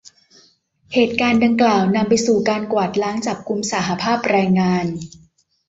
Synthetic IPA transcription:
heː˨˩t̪̚kaː˧nda˧ŋklaː˨˩wna˧mpa˧jsuː˨˩kaː˧nkwaː˨˩t̪̚laː˦˥ŋt͡ɕa˨˩p̚ku˧msa˩˦ɦa˧pʰaː˥˩p̚ɾaː˧jŋaː˧n

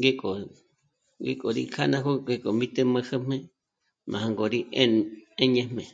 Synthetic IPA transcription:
ŋɡe˦kʼo˨ | ŋɡḛ˦kʼo˨ɾḭ˧kʰa˦nã˦ko˦ɡe˧kʼo˨mĩ˦t̪e˦˧mə̃˧hə˦mẽ˦ | mã̰˨ã˧ŋɡo˨ɾi˦ʔe˦ẽ˦ɲẽ˧mẽ˨

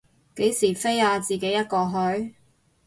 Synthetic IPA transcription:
ke˨˥jsiː˨˩fe˥jaː˧t͡siː˨ke˨˥jɐ˥t̚kɔː˧ɦɵ˨˥ɥ

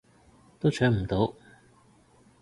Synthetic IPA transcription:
t̪o˥wt͡ʃʰœː˨˥ŋm̩˨˩t̪o˨˥w

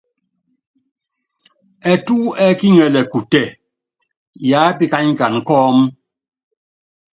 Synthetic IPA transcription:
ɛ˨tuː˦ɛ˦ki˦ŋɛ˨lɛ˨ku˨tɛ˦˨ | ja˨˦pi˦ka˦ɲ˦ka˨n˨kɔː˦m

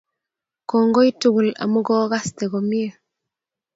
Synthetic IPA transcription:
kɔːŋɡo˦i˦tu˦ɡu˨la̰˨mu˦ɡɔː˦ɣa˦ste˨ɡomi˦e

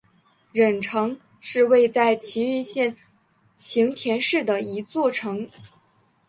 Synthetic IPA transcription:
ɻə˨˩nʈ͡ʂʰɤ˧˥ŋ | ʂɻ̩˥˧we˥˧ɪt͡sa˥˩ɪt͡ɕʰi˧˥y˥˧ɕjɛ˥˩n | ɕʰi˧˥ŋt̪ʰjɛ˧˥nʂɻ̩˥˩d̪ə˩i˧˥t͡swɔ˥˩ʈ͡ʂʰɤ˧˥ŋ

